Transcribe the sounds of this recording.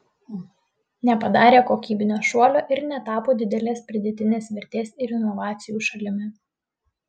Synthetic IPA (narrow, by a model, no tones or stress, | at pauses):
nʲɛpɐd̪ɑːɾʲeːkoːkʲiːbʲɪnʲoːʃuɔlʲoːʔɪɾnʲɛt̪ɑːpoːd̪ʲɪd̪ʲɛlʲeːspʲɾʲɪd̪ʲɛt̪ʲɪnʲeːsʋʲɪɾʲt̪ʲeːsɪɾɪnɔʋɑːt̪sʲɪjuːʃɐlʲɪmʲɪ